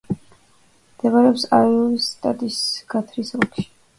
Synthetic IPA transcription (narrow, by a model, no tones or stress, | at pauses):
md̪ɛvaɾɛɔpsaiɔlist̪ʼat̪ʼisɡ̥ʰat̪ʰɾisɔkʃi̥